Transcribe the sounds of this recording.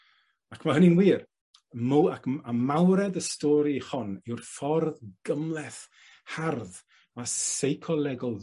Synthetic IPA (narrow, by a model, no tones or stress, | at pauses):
akʰmaɦənɪnwiːr | muakamawɾɛdəstɔːɾihɔnɪwrfɔrðɡ̥əmlˠɛθ | harð | masejkʰɔlˠɛɡɔlˠ